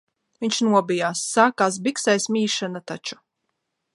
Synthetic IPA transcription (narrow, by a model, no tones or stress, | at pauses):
viɲʲʃnuɔbijaːsːaːkaːs̬biksajsmiːʃanat̪at͡ʃu̥